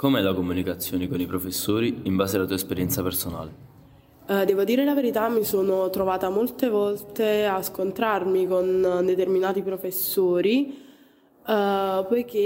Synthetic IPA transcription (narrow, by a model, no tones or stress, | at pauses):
komɛlakomunikat̪sːjoːnekonipɾofesːoːɾiːmbaːzealat̪uːaespeɾjɛnt̪sapersona̰ːle | d̪ɛːvod̪iːɾelaveɾit̪amːisoːnot̪ɾovaːt̪amolt̪evɔlt̪easkont̪ɾarmikond̪et̪erminaːt̪ipɾofesːoːɾi | pɔjk̟e